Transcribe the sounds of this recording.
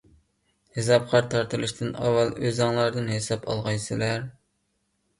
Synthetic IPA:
hes̬ɑp̚qʰɑɾt̪ʰɑɾt̪ɨlˠɨʃt̪ʰɨnɑ̰wːɑlˠøzɑŋlˠɑɾd̪ɨnɦesɑpʰɑ̰lˠʁɑjsɨlæɾ

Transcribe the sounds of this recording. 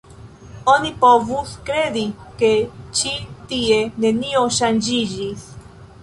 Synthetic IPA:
onipovuskɾedike̞t͡ʃit̪ie̞ne̞nioʃand͡ʒid͡ʒis

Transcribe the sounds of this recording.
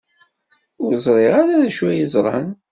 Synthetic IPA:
ʊɾzˤɾˤeʁaɾaðʃwæjəzˤɾˤɑ̰n

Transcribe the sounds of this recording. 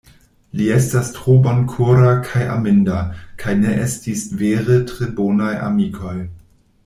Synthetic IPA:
liɛstastʁ̥obankʰuɾakʰajʔa̰mɪndakʰajneʔestisveːʁətʁ̥eboːnajʔa̰mikʰoj

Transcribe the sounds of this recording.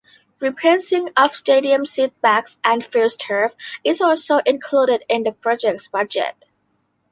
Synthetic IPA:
ɹipʰesɪ̃ŋʌv̥steɾiə̃msit̪̚b̥æksʔæ̃nfilstʰɜ˞fɪzɔlsoʊʔɪ̃nkʰluɾɪdɪ̃nðəpʰɹ̥ɔd͡ʒɛk̚tsb̥ʌd͡ʒɛ̰t̚

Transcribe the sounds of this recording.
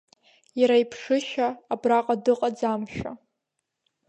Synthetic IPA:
jaɾajpʰʂɨʃaːbraqʼadɨqʼad͡zamʃᶣa̰

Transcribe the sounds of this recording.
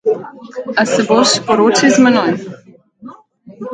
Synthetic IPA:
asɛboʃpɔɾoːt͡ʃizmɛnɔj

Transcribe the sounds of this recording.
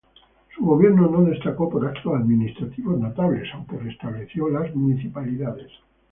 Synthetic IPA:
suɣo̞β̞jeɾno̞no̞ðe̞st̪ako̞poɾakt̪oaðminist̪ɾat̪iβoznot̪aβle̞sawŋkerest̪aβleθjolazmuniθipaliðaðes

